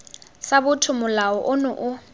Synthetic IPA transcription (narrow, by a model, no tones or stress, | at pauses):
sabʊtʰʊmʊlaɔʔʊnʊʔʊ